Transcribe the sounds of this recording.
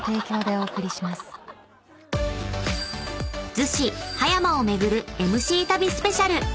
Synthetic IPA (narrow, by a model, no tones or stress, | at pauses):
t̪e̞ːkʲo̞ːd̪e̞o̞ːkɯ̟ɾʲiɕimasɨ̥ | d͡zɨɕihajamao̞me̞ɡɯ̟ɾɯ̟e̞mɯ̟ɕiːt̪abʲisɨ̥pe̞ɕaɾɯ̟